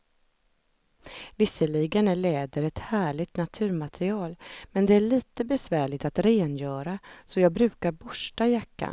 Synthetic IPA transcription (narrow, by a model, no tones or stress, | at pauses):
vɪsːəlɪɡənæɭɛːd̪əɾɛt̪hæːɭɪt̪nat̪ʰʉ̟ːɾmat̪ʰɾɪɑːlmɛnd̪ɛæɭiːt̪əbɛsvæːɭɪt̪at̪ɾeːnjœːɾasɔjɑːɡ̚bɾʉ̟ːkaɾbʊʂʈajakːa̰n